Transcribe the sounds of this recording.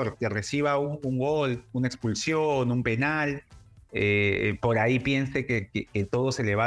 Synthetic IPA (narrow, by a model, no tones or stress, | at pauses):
oɾkere̞siβ̞auŋuŋɡo̞lunaekspulsjonumpe̞nal | epo̞ɾaipje̞nsekekeket̪o̞ð̞o̞se̞le̞β̞a